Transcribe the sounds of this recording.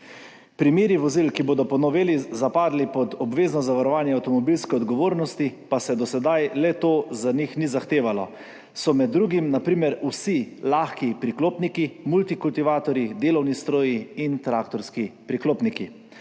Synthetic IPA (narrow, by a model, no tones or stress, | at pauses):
pɾimeːɾiʋɔzilkiboːd̪ɔpɔnɔʋeːlizapaːd̪lipɔd̪ɔbʋeːznɔzaʋaɾɔʋaːnjɛawt̪ɔmɔbilskɛɔd̪ɡɔʋoːɾnɔst̪ipasɛd̪ɔsɛd̪ajlɛt̪oːzanixnizaxt̪eːʋalɔ | sɔmɛd̪ːɾuːɡimnapɾiːmɛɾusilaxkipɾikloːpnikimult̪ikult̪iʋaːt̪ɔɾid̪eːlɔwnist̪ɾoːjiint̪ɾaːkt̪ɔɾskipɾikloːpniki